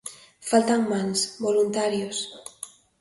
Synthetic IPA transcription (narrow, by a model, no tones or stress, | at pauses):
falt̪aŋmalsbolunt̪aɾjos